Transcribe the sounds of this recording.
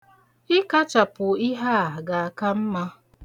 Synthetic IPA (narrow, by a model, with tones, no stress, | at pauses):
ɪ˦ka˦t͡ʃa˨pʊ˨i˦ɦa˦˨a˨ɡa˨a˨ka˦m̩˦ma˦